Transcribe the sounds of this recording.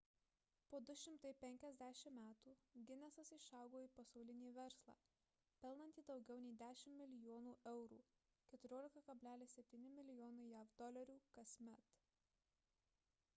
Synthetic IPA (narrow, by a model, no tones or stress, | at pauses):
poːd̪ʊʃʲɪmt̪ɐɪpʲɛŋʲkʲɛzʲd̪ʲæʃʲɪmmʲæːt̪uːɡʲɪnʲɛsɐsɪʃɑˑʊɡoːiːˑpɐsɒʊlʲɪnʲiːʋʲɛɾslˠɑ̰ː | pʲɛlˠnɐnt̪ʲiːd̪ɒʊɡʲɛʊnʲɛɪd̪ʲæːʃʲɪmmʲɪlʲɪjoːnuːʔɛʊɾṵː | kʲɛt̪ʊɾʲoːlʲɪkɐkɐbʲlʲæːlʲɪsʲɛpʲt̪ʲiːnʲɪmʲɪlʲɪjɔːnɐɪjæːʋd̪ɔlʲɐɾʲuːkɐsʲmʲɛt̪